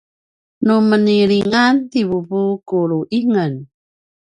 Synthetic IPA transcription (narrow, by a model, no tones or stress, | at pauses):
numəniɾiŋant̪iβubukuɾuʔiŋən